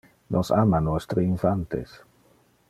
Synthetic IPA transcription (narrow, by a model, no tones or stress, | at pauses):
nʔosamanwest̪ɾeiɱfant̪ḛs